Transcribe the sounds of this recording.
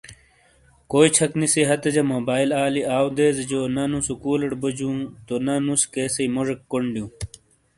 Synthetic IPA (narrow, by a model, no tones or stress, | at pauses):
koːit͡ɕʰɐkniseɦɐt̪ɐd͡ʑɐmoːbaːilaːliaːwd̪eːzed͡ʑonɐnusukuːlɐʈbɐd͡ʑũːt̪onɐnuskeːsɐimoʐɐkːoɳɖjũː